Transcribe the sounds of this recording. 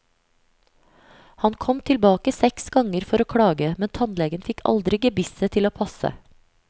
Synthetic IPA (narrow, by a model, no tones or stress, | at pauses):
hɑnkʰɔmt̪ʰɪlbɑːkəsɛksɡɑŋəɾfɔɾoːkʰɽɑːɡəmɛnt̪ʰɑnlɛɡənfɪkʰɑ̰ld̪ɾɪɡəbɪsət̪ʰɪloːpʰɑsə̰